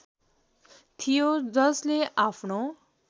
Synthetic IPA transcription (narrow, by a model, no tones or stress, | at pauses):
t̪ʰijod͡zʌsleʔapʰno